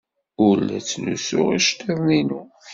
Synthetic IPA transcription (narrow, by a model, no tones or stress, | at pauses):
ʊɾlæ̰t͡sːnṵsʊ̰ʁiʃt̪iðˤninu